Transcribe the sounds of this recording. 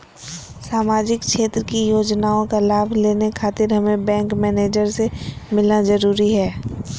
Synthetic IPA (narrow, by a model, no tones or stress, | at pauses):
saːmaːd͡ʒɪkʃeːt̪ɾəkijoːd͡ʒnaːõkalaːbʱleːnekʰaːt̪ɪɾɦɐmẽbɛ̃ːŋkmɛːneːd͡ʒəɾsemɪlnazɐɾuːɾiɦɛː